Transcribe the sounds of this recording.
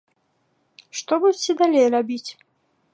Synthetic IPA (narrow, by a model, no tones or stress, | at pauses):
ʂt̪ɔbudʲt͡sʲɛd̪alʲejrabʲit͡sʲ